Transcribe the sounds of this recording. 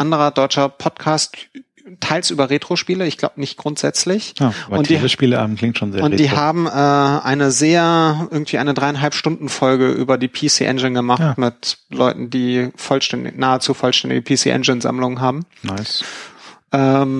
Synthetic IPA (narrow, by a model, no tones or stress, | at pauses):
ʔandəʁɐdɔʏt͡ʃɐpʰɔtkʰaːst | tʰːaɪlsʔyːbɐʁeːtʁ̥oʃpiːləɪçɡ̥laʊbənɪçt̚ɡ̥ʁʊntz̥ɛt͡slɪçaaʊntʰd̥iːəʃpiːləʔa̰ːm̩kʰl̥ɪŋtʃoːnzeːɐʊntːd̥iːɦaːbm̩ʔɛːʔa̰ɪnəzeːɐʔɪɐɡŋ̩tv̥iːʔaɪnədʁaɪanɦalpʃtʊndn̩fɔlɡəʔy̰ːbɐdiːpʰisḭːʔɛ̰nd͡ʒɪnɡəmaχtːmɪtlɔʏtn̩diːfɔlʃtɛndɪ̰naːət͡suːfɔlʃtɛndɪ̰ɡəpʰiːsḭːʔɛ̰nd͡ʒɪnza̰mlʊŋənɦaːbm̩ | naɪs | ʔɛːm